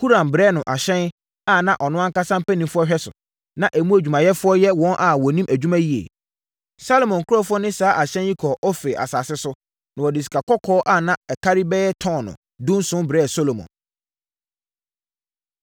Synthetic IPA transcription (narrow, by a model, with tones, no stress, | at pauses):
kʰu˦ɾã˨mbɾɛː˦nʊ̃˨ʔa˨ɕɛ̃˦n | a˦˨nã˦ʔɔ˨nʊ̃˦ã˦ŋka˦sã˦m˦pʰæ˦nĩ˨mfʊ˦ɔ˦ɕᶣɛ˦sʊ̰˨ | nã˦ʔæ˨mũ˦æ˨d͡ʑᶣu˨mã˨jɛ˦fʊ˦ɔ˦jɛ˦wɔ̃˦nʔa˨wɔ˨nĩ˦mʔæ˨d͡ʑᶣu˦mã˦ji˦ḛ˨ | sa˦lo˨mɔ̃˨ŋ˨kʰʊ˦ɾɔ˦fʊ˦ɔ˦nɪ̃˦saː˦ʔa˨ɕɛ̃˦nji˦kʰɔ˨ʔɔ˦fe˨a̰˨saː˨sɪ˦sʊ˦ | nã˨wɔ˨dɪ˨s̬i̥˨kʰa˨kʰɔ˦kʰɔː˦ʔa˦˨nã˦ɛ˨kʰa˦ɾi˦bɛ˦ɛ˦tʰɔ̃˦˨nʊ̰̃˨ | dʊ̃˦n˦sʊ̃˦bɾɛː˦˨so˦lo˨mɔ̰̃˨n